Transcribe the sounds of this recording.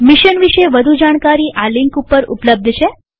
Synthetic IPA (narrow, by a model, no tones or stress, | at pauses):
miʃənʋiʃeʋəd̪ʱud͡ʒaɽ̃kaɾiːʔaliŋkupəɾṵpləb̚d̪ʱʃe